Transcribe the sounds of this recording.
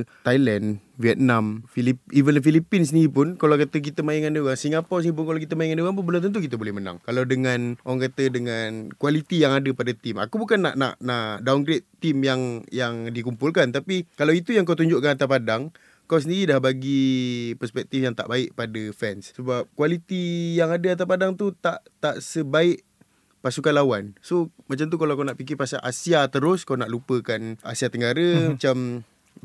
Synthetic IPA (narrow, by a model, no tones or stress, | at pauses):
t̪ajlɛnviɛt̪̚nãmfiliivəndəfilipins̬əniipʊnkalawkat̪ək̬it̪əmaiŋandəwaŋsiŋapɔsəniip̬ʊnkalawkit̪əmaiŋandəwanp̬ʊnbəlumt̪ənt̪̬ukit̪̬əbolɛhmənã̰ŋkalawdəŋanʔoaŋkat̪ədəŋankwalit̪ijaŋadəpadat̪ima̰kubukanːa̰ʔna̰ʔnaʔdawnɡɾet̪ːimjaŋjaŋdikumpulkant̪apikalawit̪ujaŋkawt̪̬uɲd͡ʒʊʔkanat̪apadaŋ | kaws̬əndiɾidahbaɡipərspɛk̚t̪ifjaŋt̪a̰ʔbaɪʔpadafɛnssəbap̚kwalit̪ijaŋadaat̪̬apadaŋt̪ut̪aʔt̪aʔsəbaɪʔ | pasukanlawansomat͡ʃamt̪̬ukalawkanaʔpik̬ɪrpasa̰ʔasiat̪əɾʊskawnaʔlupəkanasiat̪əŋɡaɾamat͡ʃam